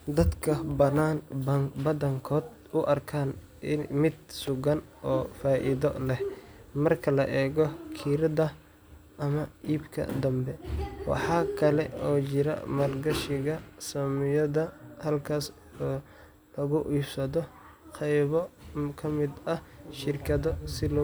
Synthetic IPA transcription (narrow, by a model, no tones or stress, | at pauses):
d̪ɐd̪kʰɐbɐnaːnɐŋbɐðɐŋkʰɔːd̪ | ʊʔɐrkʰaːn | ɪmɪd̪̚sʊɣɐnʔɔːfaːʔɪ̰ðɔ̰lɛhmɐrkʰɐlɐʔɛːɣɔkʰiːɾɐðɐ | ʔɐmɐʔiːbkʰɐ̰d̪ɐmbɛwɑ̰ħɑːkʰɐlɛɔːt͡ʃɪɾɐ̰mɐrɡɐʃɪɣɐsɐmɪjɐðɐhɐlkʰaːs | ɔː | lɐɣʊʔiːfsɐðɔ | qɛjβɔkʰɐmɪd̪ɐhʃɪrkʰɐðɔsɪl